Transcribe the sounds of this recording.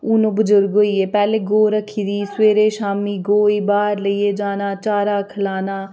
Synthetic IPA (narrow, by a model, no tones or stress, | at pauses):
ʊnõːbʊzʊɾɡɦoːiːeːpɛːleːɡoːɾəkʰiːd̪iːsweːɾeːʃaːmiːɡoːiːbaːɾləiːeːd͡ʒaːnaːt͡ʃaːɾaːkʰəlaːnaː